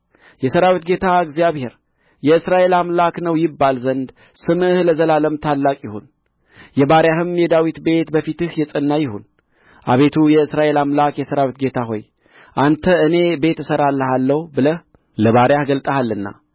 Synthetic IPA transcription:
jɛsəɾawit̪ɡe̞t̪ʰaɨɡzjaβhe̞ɾ | jɛɨsɾaʔe̞lamlaknəwjɪbːalzənd̪ | sɨmɨhləzəlaləmt̪ʰalːakʼjɪhon | jɛbaɾjahɨmjɛd̪awit̪be̞t̪bəfit̪ɨhjɛsʼənːajɪhon | ʔa̰βe̞t̪ʰujɛɨsɾaʔe̞lamlakjɛsəɾawit̪ɡe̞t̪ʰaɦo̞̰j | ʔant̪ʰəɨne̞be̞t̪ɨsəɾalːəɦalːəhubɨləh | ləβaɾjahɡəlt̪ʼəhalːɨnːa̰

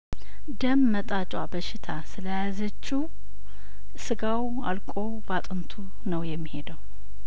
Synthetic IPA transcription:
d̪əmːət̪ʼat͡ʃʼwabəʃɪt̪ʰasɨləjazət͡ʃːu | sɨɡaw | a̰lkʼo̞ | bat̪ʼɨnt̪ʰu | nəwjɛmːihe̞d̪əw

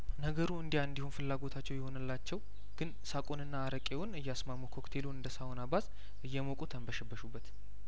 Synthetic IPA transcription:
nəɡəɾuɨnd̪ijaɨnd̪ihonfɨlːaɡo̞t̪ʰat͡ʃːɛwjɛho̞nɨlːat͡ʃːɛw | ɡ̥ɨn | sakʼonɨnːaːɾəkʼewʊnɨjːasmamːukʰo̞kt̪ʰe̞luɨnd̪əsawonabaz | ʔɨjːɛmokʼut̪ʰəmbəʃɛbːəʃubːət̪

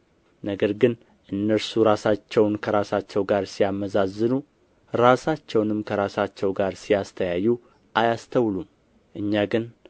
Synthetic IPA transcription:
nəɡəɾɡɨn | ʔɨnːəɾsuɾasat͡ʃːɛwnkʰəɾasat͡ʃːɛwɡaɾsijaməzazːɨnu | ɾasat͡ʃːɛwnɨmkʰəɾasat͡ʃːɛwɡaɾsijast̪ʰəjajːu | ʔajast̪ʰəwlum | ʔɨɲːaɡɨn

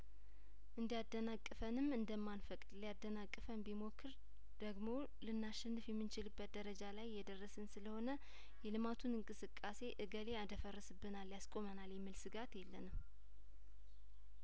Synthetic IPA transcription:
ʔɨnd̪ijad̪ːənakʼːɨfənɨmɨnd̪əmːanfəkʼd̪lijad̪ːənakʼːɨfəmbimo̞kʰːɨɾ | d̪̥əɡmo̞ | lɨnːaʃːɛnːɨfjɛmːɨnt͡ʃɪlɨbːət̪̚d̪əɾəd͡ʒalajːɛd̪ərːəsɨnsɨləho̞nə | jɛlɨmat̪ʰunɨŋkʼɨsɨkʼːase̞ʔɨɡəle̞ad̪əfərːəsɨbːɨnalːijaskʼo̞mənaljɛmːilsɨɡat̪jɛlːənɨm

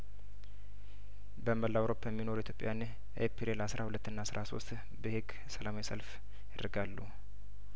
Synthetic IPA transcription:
bəməlːawɾo̞pʰːajɛmːino̞ɾuit̪jo̞pʼːja̰jan | ʔepʰiɾelasɾʔahulət̪ːɨnːasɾʔaso̞̰st̪ | bəheɡ | səlamajisəlf | jɪd̪ɾɨɡalːu

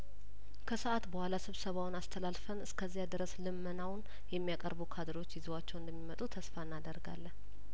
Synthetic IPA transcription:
kʰəsɨʔat̪bəhalasɨβsəβawʊnast̪ʰəlalfənɨskʰəzːijad̪ɨɾəslɨmːənawn | jɛmːijakʼəɾbukʰad̪ɨɾo̞t͡ʃːjɪzwat͡ʃːɛwɨnd̪əmːimət̪ʼut̪ʰəsfaɨnːad̪əɾɡa̰lːən

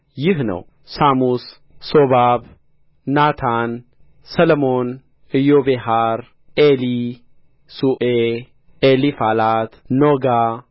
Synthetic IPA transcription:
jɪɦnɐ̰w | saːmus | soβab | naːt̪ʰan | sɐlmon | ɪjoːbeɦaɾ | ʔeli | suʔe | ʔelifaːlaːt̪noɡa

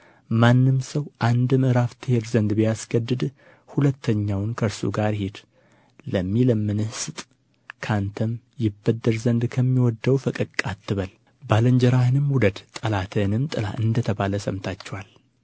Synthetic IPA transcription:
manːɨmsəwʔand̪ɨmɨɾaft̪ʰheɾzənd̪bijasɡəd̪ːɨd̪ | hulət̪ʰːəɲːawnkʰəɾsṵɡaɾhed̪ | ləmːiləmːɨnɨhsɨt̪ʼ | kʰant̪ʰəm | jɪbːəd̪ːəɾzənd̪kʰəmːiwɔd̪ːəwfəkʼɨkʼːat̪ʰːɨβəl | baləɲd͡ʒəɾahɨnɨmwud̪əd̪t̪ʼəlat̪ʰɨnɨmt̪ʼɨla̰ʔɨnd̪ət̪ʰəβaləsəmt̪ʰat͡ʃːɛwal

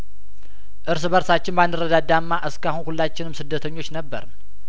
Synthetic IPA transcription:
ʔɨɾs̬bəɾsat͡ʃːɪnbanːɨrːəd̪ad̪amːaʔɨskahunhulːat͡ʃːɪnɨmsɨd̪ːət̪ʰəɲːo̞t͡ʃːnəbːə̰ɾ

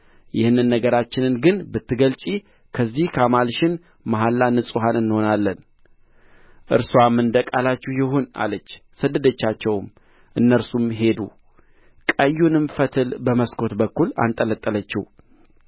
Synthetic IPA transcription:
jɪhɨnːɨnːəɡəɾat͡ʃːɪnɨnɡɨnbɨt̪ːɨɡəlt͡ʃʼi | kʰəzːihkʰamalʃɪn | maɦalːanɨsʼuɦanɨnːho̞nalːən | ʔɨ̰ɾswamːɨnd̪əkʼalat͡ʃːuhjɪɦona̰lət͡ʃːsəd̪ːəd̪ət͡ʃːat͡ʃːɛwm | ʔɨnːəɾsumɦe̞d̪ṵ | kʼəjːunɨmfət̪ʰɨlbəməskʰo̞t̪bəkːula̰nt̪ʼələt̪ʼːələt͡ʃːɪh

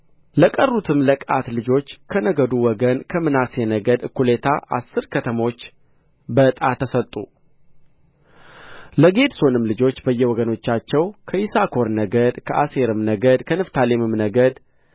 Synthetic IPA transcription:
ləkʼərːut̪ʰɨmləkʼat̪lɨd͡ʒo̞t͡ʃːkʰənəɡəd̪uwɔɡənkʰəmɨnase̞nəɡəd̪ɨkːule̞t̪ʰaʔa̰sːɨɾkʰət̪ʰəmo̞t͡ʃː | bət̪ʼat̪ʰəsət̪ʼːṵ | ləɡe̞d̪so̞nɨmlɨd͡ʒo̞t͡ʃːbəjːɛwɔɡəno̞t͡ʃːat͡ʃːɛwkʰəʔisakʰo̞ɾnəɡəd̪kʰəʔase̞ɾɨmnəɡəd̪kʰənɨft̪ʰalemɨmnəɡəd̪

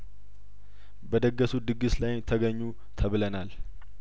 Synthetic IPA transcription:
bəd̪əɡːəsud̪ɨɡɨslajt̪ʰəɡəɲːu | t̪ʰəβlənal

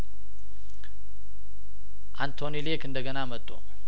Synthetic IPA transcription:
ʔant̪ʰonilekɨnd̪əɡənamət̪ʼːṵ

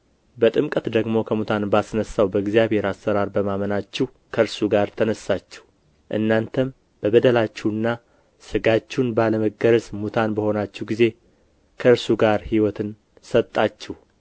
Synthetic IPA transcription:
bət̪ʼɨmkʼət̪d̪əɡmo̞kʰəmut̪ʰanbasnəsːawbəɡzijaβhe̞ɾasːəɾaɾbəmamənat͡ʃːɛw | kʰəɾsuɡaɾt̪ʰənəsːat͡ʃːɛh | ʔɨ̰nːant̪ʰəm | b̥əbəd̪əlat͡ʃːɛwɨnːa | sɨɡat͡ʃːunbaləməɡːəɾsmut̪ʰanbəho̞nat͡ʃːɛwɡize̞ | kʰəɨɾsuɡaɾhiwɔt̪ʰɨn | sət̪ʼːat͡ʃːɛh

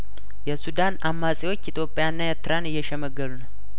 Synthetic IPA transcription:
jɛsud̪anamːasʼewo̞t͡ʃːit̪ʰjo̞pʼːejanːaɛɾt̪ɨɾanɨjːɛʃɛməɡːəlunəw

